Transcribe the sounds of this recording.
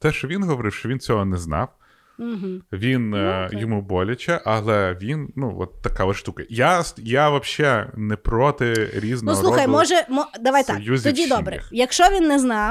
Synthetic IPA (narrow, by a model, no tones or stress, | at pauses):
t̪ɛʃt͡ʃɔʋʲinɦɔʋɔɾɪwʃt͡ʃɔʋʲint͡sʲɔɦɔnɛznɑ̰w | m̩ɦ̩ʋʲinjɔmubɔlʲɐt͡ʃɛʔɐlˠɛʋʲinnuʋɔ̰t̪ːɐkaʋɪʃt̪ukɪjasjaʋɐpʃt͡ʃɛnɛpɾɔt̪ɪɾʲiznnuɔɾlˠuxɐjmɔʒɛmɔd̪ɐʋajt̪juzʲt̪iɔdʲid̪ɔbɾɪɪxjɐkʃt͡ʃɔʋʲinːɛznɑw